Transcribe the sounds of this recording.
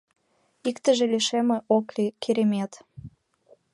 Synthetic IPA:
ikt̪əʒeliʃemeʔoklikʰeɾemet̪

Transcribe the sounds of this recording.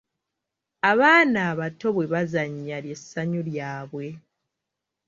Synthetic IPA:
aβaːnaːβato̞βwe̞βazaɲːalje̞sːaɲuljaːβwe̞

